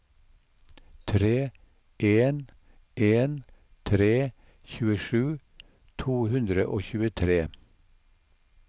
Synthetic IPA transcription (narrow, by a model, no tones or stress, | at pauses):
t̪ʰɾeː | ʔeːn | ʔeːnt̪ʰɾeː | çʉːəʃʉː | t̪ʰuːhʉnd̪ɾəʔoːçʉːət̪ʰɾeː